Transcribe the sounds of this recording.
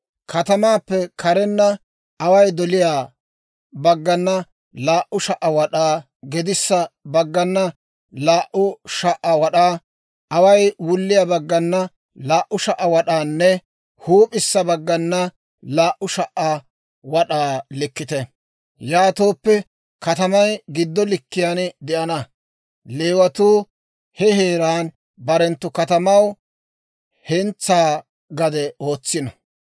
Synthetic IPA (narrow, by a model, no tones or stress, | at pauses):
kɐt̪ɐmaːpːɛkʰɐɾɛnːɐ | ɐwɐjd̪ɔlɪjaː | bɐɡːɐnːɐ | laːʔʊʃɐʔɐwɐɗaː | ɡɛd̪ɪsːɐbɐɡːɐnːɐ | laːʔʊʃɐʔɐwɐɗaː | ʔɐwɐjwʊlːɪjabɐɡːɐnːɐ | laːʔʊʃɐʔɐwɐɗaːnːɛ | huːpʼɪsːɐbɐɡːɐnːɐ | laːʔːʊʃɐʔɐ | wɐɗaːlɪkːɪt̪ɛ | jaːt̪oːpːɛ | kɐt̪ɐmɐjɡɪd̪ːɔlɪkːɪjand̪ɛʔɐnɐ | leːwɐt̪uː | hɛhe̞ːɾaːn | bɐɾɛnt̪ːʊkɐt̪ɐmɐw | hɛnt͡sːaː | ɡɐd̪ɛo̞ːt͡sːɪnɐ